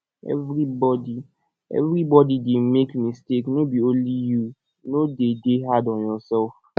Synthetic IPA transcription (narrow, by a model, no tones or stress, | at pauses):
ɛ̰vɾibɔdi | ɛ̰vɾibɔdidemekmisteknobionliju | nodedeɦadɔ̃njɔsɛlf